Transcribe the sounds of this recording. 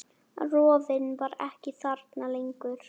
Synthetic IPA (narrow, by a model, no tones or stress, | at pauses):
rɔːvɪnvaɾɛhcɪθaɾt̪nalejŋkʏɾ̥